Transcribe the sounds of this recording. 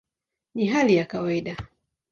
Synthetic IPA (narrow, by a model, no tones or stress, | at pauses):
niɦalijakawaiɗa